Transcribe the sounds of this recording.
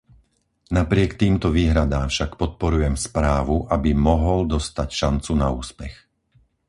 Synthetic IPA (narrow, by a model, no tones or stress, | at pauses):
napɾɪɛkt̪iːmt̪ɔʋiːɦɾad̪aːmfʃakpɔt̪̚pɔɾujɛmspɾaːʋuʔabimɔɦɔld̪ɔst̪acʃant͡sunauːspɛx